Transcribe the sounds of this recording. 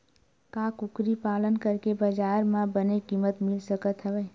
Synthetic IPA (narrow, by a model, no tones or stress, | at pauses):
kaːkʊkɾipaːlənkəɾkebəd͡ʒaːɾmãbənekiːmət̪mɪlsəkət̪ɦəʋeː